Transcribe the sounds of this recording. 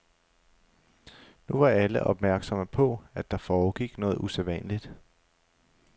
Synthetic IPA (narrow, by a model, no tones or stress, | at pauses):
nuʋɑ̈æləʔɒ̽b̥mæɐɡ̥sɒ̽məpʰɒ̽æd̥ɑ̈fɒːɡ̥iɡ̥nɔ̽ːð̞̩ˠuselʋɛ̰ːnlid̥